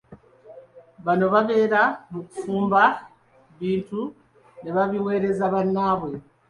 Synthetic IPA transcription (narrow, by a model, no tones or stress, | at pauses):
βano̞βaβe̞ːɾamukufuːmba | βiːntu | neβaβiwe̞ːɾe̞zaβanːaːβwe